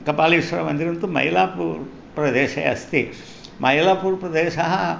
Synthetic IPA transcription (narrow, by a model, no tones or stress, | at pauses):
kɐpaːliiʂʋɐɾɐmɐnd̪iɾɐnt̪umɐ̰jilaːpuːɾ | pɾɐd̪eːʃɐjɐ̰st̪i | mɐɦilaːpuːɾpɾɐd̪eːʃɐɦɐ